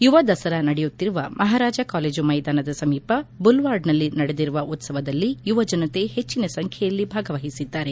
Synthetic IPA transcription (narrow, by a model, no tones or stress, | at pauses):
juʋɐd̪ɐsɐɾɐnɐɽejut̪ːiɾuʋɐmʔɐɦaːɾaːd͡ʒɐkaːle̞ːd͡ʒumɐjd̪aːnɐd̪ɐsɐmiːpɐbulʋaːɾɖnɐlːinɐɽed̪iɾuʋɐʔut̪sɐʋɐd̪ɐlːijuʋɐd͡ʒɐnɐt̪e̞het͡ʃːinɐsɐŋkʰjɛjɐlːibʱaːɡɐʋɐɦisid̪ːaːɾe̞